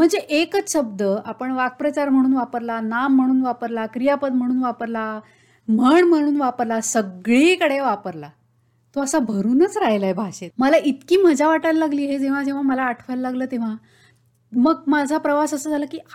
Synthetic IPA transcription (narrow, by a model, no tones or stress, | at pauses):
m̤əɳd͡zeʔekɕəb̚d̪əapəɳʋak̚pɾət͡ɕaɾm̤əɽ̃uːnʋapəɾlanamːəɽ̃uːnʋapəɾlakɾijapəd̪̚m̤əɽ̃uːnʋapəɾla | m̤əɳm̤əɽ̃uːnʋapəɾlasəɡɭekəɽeʋapəɾla | t̪oəsabʱəɾuːnət͡sɾaɦjlaɦebʱaɕeməlaʔit̪kiːməd͡ʑʱaʋaʈajllaɡliːɦed͡zeʋ̤ad͡ʑeʋ̤aməlaːʈʰʋajləlaɡləːt̪eʋ̤a | məɡmad͡zʱapɾəʋasəsəːd͡zʱaləːkiː